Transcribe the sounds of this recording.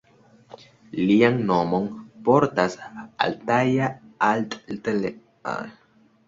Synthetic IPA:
lianno̞mo̞npo̞ɾtasa̰ltajaaltʼtele | a̰

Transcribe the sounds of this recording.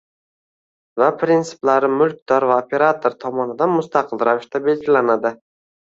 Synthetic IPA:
vapʰɾɪnt̪sɪ̥plaɾɪmʊlˠk̚ʲd̪ɒɾvaopʰʲe̞ɾat̪ʰoɾt̪ʰɒmɒnɪd̪anmʊst̪aqɨlˠɾavɪʃt̪abe̞lɡʲɪlanad̪ɪ

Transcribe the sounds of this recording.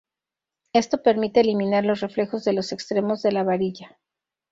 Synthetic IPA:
e̞st̪o̞pe̞ɾmit̪e̞ːlimĩnaɾlo̞s̬re̞fle̞xo̞zðe̞lo̞se̞kst̪ɾe̞mo̞zðe̞laβaɾiʝa

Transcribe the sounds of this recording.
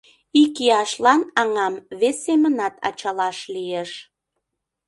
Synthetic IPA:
ikiɑʃlɑnɑŋɑmβesːemənɑt̪ʰɑ̰t͡ɕɑlɑʃlijeʃ

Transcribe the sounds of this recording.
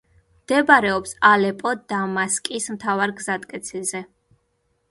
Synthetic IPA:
md̪̥ɛbaɾɛɔpsalɛpʼɔd̪amaskʼismt̪ʰavaɾɡzad̪kʼɛt̪sʰizɛ

